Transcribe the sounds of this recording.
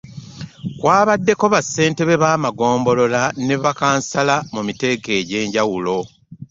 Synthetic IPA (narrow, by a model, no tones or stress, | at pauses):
kwaːβadːe̞koβasːe̞ːnte̞βe̞βaːmaɡo̞ːmbo̞lo̞lane̞βakaːnsalamumite̞ɡe̞ːɟe̞ːɲɟawulo̞